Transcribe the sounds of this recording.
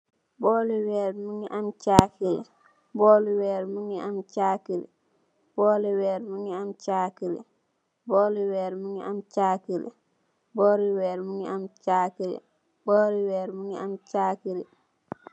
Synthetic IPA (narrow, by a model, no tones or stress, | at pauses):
bɔːliwɛːɾmuŋiʔamt͡ʃaːkilḭ | bɔːliwɛːɾmuŋiamt͡ʃaːkiɾḭ | bɔːliwɛːɾmuŋiamt͡ʃaːkilḭ | bɔːliwɛːɾmuŋiʔamt͡ʃaːkilḭ | bɔːɾiwɛːɾmuŋiamt͡ʃaːkiɾḭ | bɔːɾiwɛːɾmuŋiamt͡ʃaːkiɾḭ